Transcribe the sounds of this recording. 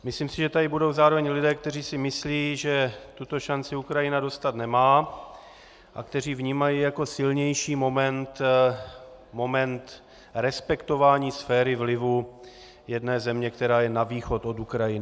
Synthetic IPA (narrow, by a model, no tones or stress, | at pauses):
mɪsliːmsɪʒɛt̪adɪbudo̞wzaːɾo̞vɛɲlɪdɛːk̚t̪ɛr̝iːsɪmɪsliːʒɛt̪ut̪o̞ʃant͡sɪukɾajɪnado̞st̪at̪nɛmaː | ʔa̰kt̪ɛr̝iːvɲiːmajiːjako̞sɪlɲɛjʃiːmo̞mɛnt̪ | mo̞mɛnt̪ | ɾɛspɛkt̪o̞vaːɲiːsfɛːɾɪvlɪvu | jɛdnɛːzɛmɲɛkt̪ɛɾaːjɛnaviːxo̞t̪o̞t̪ukɾajɪnɪ